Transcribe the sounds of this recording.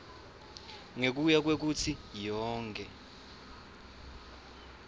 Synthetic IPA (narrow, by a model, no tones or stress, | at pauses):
ŋek̬ujak̬wek̬ut͡sʰijɔːŋkʼɛ